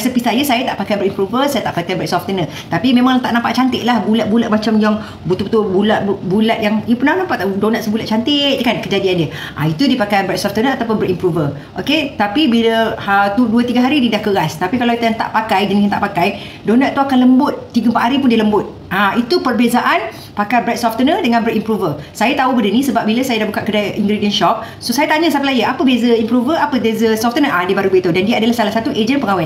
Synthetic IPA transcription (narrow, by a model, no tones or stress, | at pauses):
səpisajasajat̪aʔpakajbəɾimpɾuvəsajat̪aʔpakajbɾɛk̚sɔft̪ənə | t̪apimẽmãŋt̪aʔnãmpaʔt͡ʃant̪ɪʔ̪̚lahbulaʔ̪̚bulaʔ̪̚mat͡ʃamd͡ʒaŋ | but̪ubut̪ubulaʔ̚ubulat̪̚jaŋiəpʊnanampaʔt̪adonat̪̚səbulat̪̚t͡ʃant̪ɪkankəd͡ʒadiandiə | ʔa̰it̪udipakajbɾɛk̚sɔft̪ənəat̪awpʊnbəɾimpɾuvər | ʔoket̪apibiləət̪uduət̪iɡaɦaɾididahkəɾast̪apikalawit̪aŋt̪a̰ʔpakajd͡ʒəniɦat̪aʔpakaj | donaʔt̪uakanləmbʊt̪̚ːiɡəmpaʔ̪ɦaɾipʊndiləmbʊt̪̚ | ait̪upərbezaʔan | pakajbɾɛt̪̚sɔft̪ənədəŋãnbərimpɾuvəsajat̪aubədənĩsəbap̚biləsajadaʔbukaʔ̚kədaiŋɡɾidiənʃɔp̚ | sosajat̪aɲasampəlajəʔapəbezəimpɾuvəapəbezəsɔft̪ənəʔadibaɾubet̪ədandiaadalahsalahsat̪uʔed͡ʒənpəŋawa